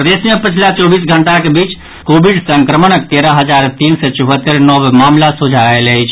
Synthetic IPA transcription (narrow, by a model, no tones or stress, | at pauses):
ɾəd̪esjepət͡ʃʰlat͡ʃɔbisɡʱəɳʈakebit͡ʃ | kobiɖsəŋkɾəmənək̚t̪eɾəɦəd͡ʒaɾt̪insɛt͡ʃuɦət̪ːəɾnɔbmamlasud͡ʒʱaeləjt͡ʃʰ